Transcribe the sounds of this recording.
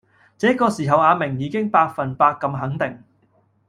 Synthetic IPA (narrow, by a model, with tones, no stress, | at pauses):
t͡sɛː˨˦˥kɔː˧siː˨˩ɦɐ˨waː˨˧mɪ˨˩ŋjiː˨˧kɪ˥ŋpaː˧k̚fɐ˨˩npaː˧kːɐ˧mɦɐ˨˥ŋt̪ɪ˨˩ŋ